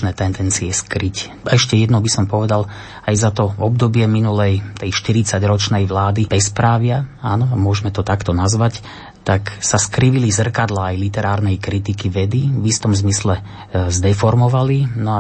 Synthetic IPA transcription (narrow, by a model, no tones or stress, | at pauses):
nɛːt̪ɛnd̪ɛnt͡siɛskɾic | ɛʃcɛjɛd̪nɔbisɔmpɔʋɛd̪al | ajzat̪ɔɔbd̪ɔbɪɛminulɛjt̪ɛjʃt̪iɾit͡saɟɾɔt͡ʃnɛjʋlaːd̪ib̥ɛspɾaːʋɪaaːnɔamʊɔʒmɛt̪ɔt̪akt̪ɔnazʋac | t̪aksaskɾiʋilizr̩kad̪laːjlit̪ɛɾaːɾnɛjkɾit̪ikiʋɛd̪iʋist̪ɔmzmislɛ | zd̪ɛfɔɾmɔʋalinɔa